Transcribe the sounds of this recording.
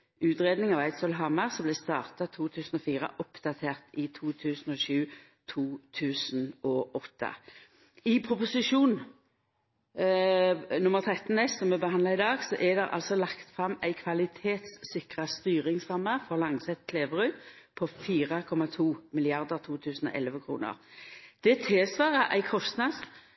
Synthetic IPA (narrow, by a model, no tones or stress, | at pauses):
ʉːt̪ʁeːd̪nɪŋɑʋæɪt̪soːlɦɑmːəʁsɔmblɛst̪ɑ̰ːʁt̪ɑt̪ʰuːt̪ʰʉːsn̩ɔfiːʁə̰ʔɔpd̪ɑt̪ʰeːʁt̪ɪt̪ʰuːt̪ʰʉːsənɔʃʉː | t̪ʰuːt̪ʰʉːsənɔʔɔt̪ʰːɑ̰ | ɪpʰʁʊpʊsɪʃuːn | nʊməʁt̪ʰʁɛt̪n̩ɛssɔmɛbəhɑnd̪lɑɪd̪ɑːɡsɔʔɛd̪ɛʁʔɑ̰lsɔlɑkt̪fʁɑmːæɪkʰʋɑlɪt̪ʰeːt̪sːɪkʁəst̪yːʁɪŋsʁɑmːəfɔʁlɑŋsɛt̪kʰleːʋəʁʉː | pʰɔfiːʁəkʰɔmːɑt̪ʰuːmɪlɪɑʁd̪əʁt̪ʰuːt̪ʰʉːsn̩ɔ̰ʔɛ̰lʋəkʰɾṵːnə̰ʁd̪̥ɛt̪ʰeːsʋɑːʁəʔæ̰ɪkʰɔst̪nɑs